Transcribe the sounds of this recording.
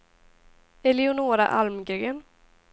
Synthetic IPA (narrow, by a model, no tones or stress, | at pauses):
ɛliʊnoːɾa̰ʔalmɡʏɡən